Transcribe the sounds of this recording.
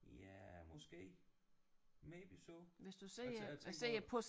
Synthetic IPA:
jæmɔsɡ̥e̝̰ː | meb̥isoʋe̝sd̥usḛse̝̰ːɐpʰɔs

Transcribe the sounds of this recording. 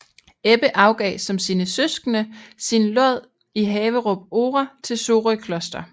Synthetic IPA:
eb̥əʔɑ̈ʊɡ̥ɛ̰ːsɒ̽msiːnəsøsɡ̥ənəsinlɔð̰ˠ | iɦɛːʋəʁɔb̥̚o̝ːʁɐt͡sʰe̝lso̝ːʁikʰlɒ̽sd̥ɐ

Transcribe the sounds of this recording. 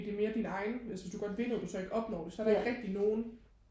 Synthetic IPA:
d̥e̝me̝ːɐd̥inɑ̈ɪnælsʋesd̥uɡ̥ɒ̽d̥ʋe̝nð̩ˠdusɒ̽e̝ɡ̥ɒ̽b̥nɒ̰ːd̥e̝sɒ̽æɐɾ̥ɑe̝ɡ̥ʁɛɡ̥̚d̥ino̝ːn̩

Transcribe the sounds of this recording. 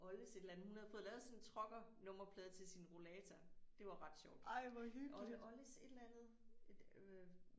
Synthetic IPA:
ɒ̽ləse̝d̥lænð̩hˠunhæðˠfɔ̽ːðˠlɛːðˠsɔ̽nnt͡sʰʁɒ̽ɡ̥ɐnɔ̽m̰ɐpʰlɛːðˠt͡sʰe̝lsinʁo̝lɛːt͡sʰɐd̥e̝ʋɑ̈ʁɑ̈d̥ɕɒʊ̰d̥ɑɪʋɒhyɡɒ̽ləse̝d̥lænð̩ˠe̥

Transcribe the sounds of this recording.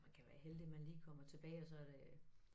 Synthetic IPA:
mænkʰæʋæːɐɦeld̥emænliːkʰɒ̽m̰ɐt͡sʰe̝b̥ɛːɪɒ̽sɒ̽æɐd̥e̝

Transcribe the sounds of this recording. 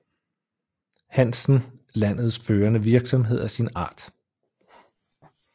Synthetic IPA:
hæn̰sn̩læn̰ð̞̩ˠsføːɐnəʋiɐɡ̥sɒ̽mɦe̝ð̞̰ˠæsinɑ̈ːd̥

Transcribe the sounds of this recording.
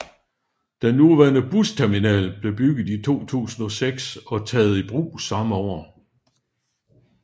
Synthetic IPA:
d̥enːuʋæɐnəb̥ust͡sʰæɐminɛ̰ːlb̥le̝b̥yɡ̥ð̩ˠit͡sʰo̝̰ːt͡sʰṵːsn̩ɒ̽seɡ̥sɒ̽t͡sʰɛːð̞̩ˠib̥ʁṵːsɑ̈məɒ̰ɐ

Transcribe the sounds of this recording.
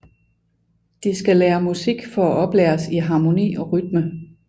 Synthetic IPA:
d̥isɡ̥æleːɐmusiɡ̥fɒ̽æʔɒ̽b̥leːɐsiɦɑ̈ːmo̝nḭːɒ̽ʁyd̥mə

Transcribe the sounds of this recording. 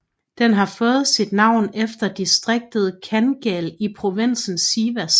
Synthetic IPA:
d̥enɦɑ̈fɔ̽ːð̩ˠsid̥nɑ̈ʊ̰nefd̥ɐd̥isd̥ʁeɡ̥̚d̥əð̞̩ˠkʰænɡ̥ɛlipʰʁo̝ʋen̰sn̩siːʋæs

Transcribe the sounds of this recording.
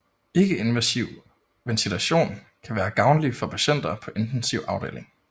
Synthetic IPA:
e̝ɡ̥əe̝nʋæsiʊ̰ | mensidʰuæɕo̝̰ːn | kʰæʋæːɐɡ̥ɑ̈ʊnlifɒ̽pʰæɕen̰d̥ɐpʰɒ̽ʔe̝nd̥ensiʊʔɑ̈ʊde̝̰ːle̝ŋ

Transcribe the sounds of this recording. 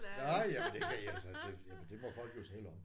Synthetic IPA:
nɑɪjæmnd̥e̝kʰæiælsəd̥e̝jæmənd̥e̝mɒfɒ̽l̰ɡ̥jo̝t͡sʰɛːləɒ̽m

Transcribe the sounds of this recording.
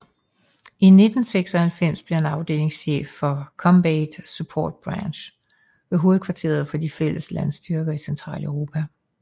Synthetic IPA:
ine̝d̥n̩seɡ̥sɒhælfem̰sb̥liɐenɑ̈ʊd̥e̝̰ːle̝ŋsɕḛːfːɒ̽kʰɒ̽mbeɪd̥supʰɒ̰ːd̥̚b̥ʁɑnɕ | ʋe̝ɦo̝ːð̩ˠkʰʋɑ̈t͡sʰe̝̰ːɐð̞̩ˠfɒ̽d̥ifel̰əslæn̰sd̥yɐɡ̥ɐisent͡sʰʁɑ̰̈ːləʊʁo̝ːpʰæ

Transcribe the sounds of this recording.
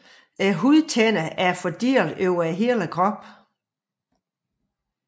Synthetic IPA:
æɦuðˠt͡sʰenəʔæɐfɒd̥iɐ̰løʊ̰ɐæɦeːləkʰʁɒ̽b̥

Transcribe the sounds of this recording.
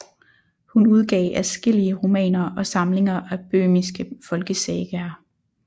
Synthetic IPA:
hunuð̞ˠɡ̥ɛ̰ːɪʔæsɡ̥e̝l̰iəʁo̝mɛ̰ːnɐɒ̽sɑ̈mle̝ŋɐʔæb̥ø̰ːmisɡ̥əfɒ̽lɡ̥əseːɡ̥æɐ

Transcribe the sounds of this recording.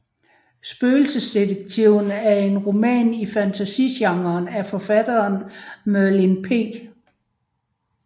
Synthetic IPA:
sb̥øːl̩səsd̥ideɡ̥̚t͡sʰiʊ̰n̩æɐe̝nʁo̝mɛ̰ːnifænt͡sʰæsḭɕɑ̈ŋɐːnæfɒ̽fæd̥ɐːnmælinpʰe̝̰ːɡ̥

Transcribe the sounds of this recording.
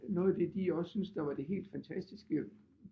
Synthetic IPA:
nɔ̽ːð̩ˠd̥e̝d̥iɒ̽ssynsd̥ɑ̈ʋɑ̈d̥e̝ɦe̝̰ːld̥fænt͡sʰæsd̥isɡ̥ə

